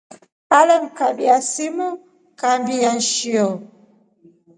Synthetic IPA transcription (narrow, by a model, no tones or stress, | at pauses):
paləŋ̩kaɓiasimɔ | kambijanʃiɔ